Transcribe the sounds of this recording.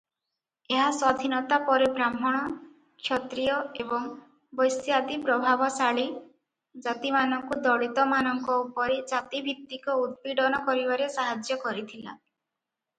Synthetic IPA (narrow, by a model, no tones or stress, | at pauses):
eɦasɔd̪ʱinɔt̪apɔɾebɾam̤ɔɽ̃ɔ | kʃʰɔt̪ɾijɔebɔŋ | bɔjsjad̪ipɾɔbʱabɔsaɭi | d͡ʒat̪imanɔŋkud̪ɔɽit̪ɔmanɔŋkɔupɔɾed͡ʒat̪ibʱit̪ːikɔud̪̚piɖɔnɔkɔɾibaɾesaɦad͡ʒjɔkɔɾit̪ʰila̰